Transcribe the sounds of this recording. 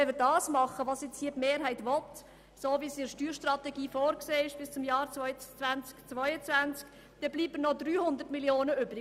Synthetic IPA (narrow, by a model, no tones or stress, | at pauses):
ɛmɪːɾdɑːsmɑχəʋɑːsjɛt͡shiːtmeːɾɦæɪtvɔt | soːvisɪɾʃtyːɾʃtrɑtɛɡiːfoːɾkseːɪʃb̥ɪst͡sʊmjɑːɾt͡svɔʏt͡sʋænt͡skt͡sʋɔʏət͡svænt͡sk | d̥ɛb̥liːbənɔdɾyːhʊnd̪əɾtmiljoːnəʏbɾɪ